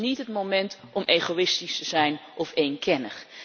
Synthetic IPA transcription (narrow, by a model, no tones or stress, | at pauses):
nitɦətmomɛntʔɔmʔejχowɪstistəzɛjnʔɔfejnkɛnə̰χ